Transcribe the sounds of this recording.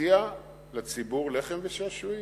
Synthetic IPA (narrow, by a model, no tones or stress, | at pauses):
ia | lat͡sibuʁleχemveʃaʃuj